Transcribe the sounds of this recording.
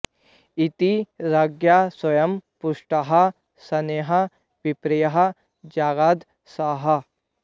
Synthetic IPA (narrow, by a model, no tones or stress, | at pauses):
it̪iɾɐɡjaːswɐjɐmpʊʂʈɐɦɐ | sɐneːɦɐ | ʋipɾijɐɦɐ̆ | d͡ʒaːɡaːd̪ | saːɦɐ